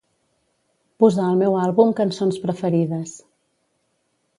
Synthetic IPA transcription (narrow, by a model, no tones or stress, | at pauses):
puzaəlˠmɛwalˠβumkənsonspɾəfəɾiðəs